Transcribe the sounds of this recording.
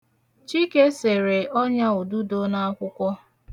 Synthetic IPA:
t͡ʃi˦ke˦se˨ɾe˨ʔɔ˦ɲa˦u˨du˦do˦na˦a˦kʷʊ˦kʷɔ˦

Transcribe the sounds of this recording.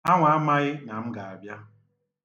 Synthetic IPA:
a˦ŋʷa˨a˦ma˦ɣɪ˦na˨m̩˦ɡa˨a˨bja˦

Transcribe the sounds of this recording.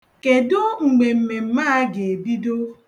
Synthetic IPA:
ke˨dʊ˦ŋ͡m̩˨ɡ͡be˨m̩˨me˨m̩˨ma˦ɡe˨e˨bi˦do˦

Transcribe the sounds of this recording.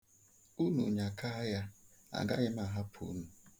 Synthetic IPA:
u˦nṵ˨ɲa˨ka˦ja˦a̰˨ɡa̰˦ɣɪ˦m˦a˦˨ɦa˦pʰṵ˨˦nu˨

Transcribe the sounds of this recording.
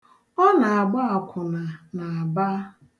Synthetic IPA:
ɔ˦na˨a˨ɡ͡ba˦a˨kʷʰʊ˨na˨na˨a˨ba˦

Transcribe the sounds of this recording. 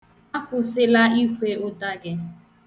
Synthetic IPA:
a˦kʊ˨sɪ˦la˦i˦kʷe˦ʊ˦ta˦ɡɪ˦

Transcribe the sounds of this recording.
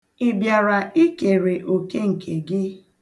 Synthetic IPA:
ɪ˨bja˨ɾa˨ʔi˦ke˨ɾe˨ʔo˨ke˦ŋ̩˨kʰe˨ɡɪ˦

